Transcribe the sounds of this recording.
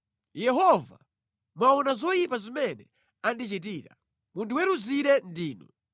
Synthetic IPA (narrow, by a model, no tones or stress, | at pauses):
jɛɦɔva̰ | mwaɔnazɔjipazimɛnɛ | andit͡ʃit̬iːɾa | muntʰuwɛɾuziɾɛndiːnɔ